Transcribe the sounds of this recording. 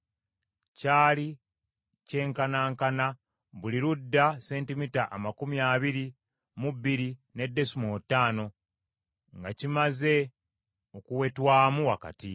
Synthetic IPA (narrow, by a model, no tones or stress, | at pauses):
caːli | ce̞ːŋkanaːŋkana | βuliɾudːase̞ːntimitaʔamakumjaːβiɾi | muβiɾine̞dːe̞sumootːaːno̞ | ŋɡacimaze̞ | o̞kuwetwaːmuwaka̰ti